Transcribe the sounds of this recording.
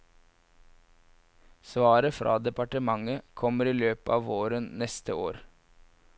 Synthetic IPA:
sʋɑːɾəfɾɑ̰ːd̪ɛpɑʈəmɑŋəkʰɔməɾiːløːpɑːʋoːɾənnɛst̪əo̰ːɾ

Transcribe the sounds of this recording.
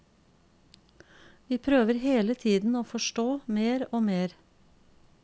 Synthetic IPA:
ʋiːpʰɾøːʋəɾheːlət̪ʰiːd̪n̩oːfɔʃʈoːmeːɾoːmeːɾ

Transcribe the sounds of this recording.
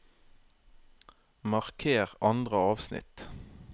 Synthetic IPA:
mɑʁkʰeːʁɑnd̪ʁəɑːʋsnɪ̰t̪

